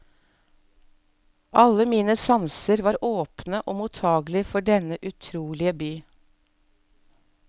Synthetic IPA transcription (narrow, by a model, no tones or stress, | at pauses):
ʔɑləmiːnəsɑnsəɾʋɑːɾʔoːpnəʔoːmʊt̪ʰɑːɡlɪfɔɖɛnəʔʉt̪ʰɾuːlɪəbyː